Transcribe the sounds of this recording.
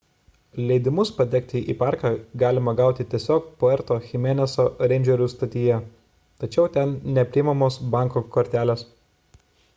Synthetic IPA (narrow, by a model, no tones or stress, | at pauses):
lʲɛɪd̪ʲɪmʊspɐd̪ʲɛk̚ʲt̪ʲɪʔḭːpɑːˑɾkɑɡɑːlʲɪmɐɡɑˑʊt̪ʲɪt̪ʲiɛsʲoːk̚poɛɾt̪oːxʲɪmʲeːnʲɛsoːɾʲɛnʲd͡ʒʲɛɾʲust̪ɐt̪ʲiːjɛ | t̪ɐt͡ʃʲɛʊt̪ʲɛnnʲɛpʲɾʲɪɪmɐmoːsbɑˑŋkoːkɔɾʲt̪ʲæːlʲeːs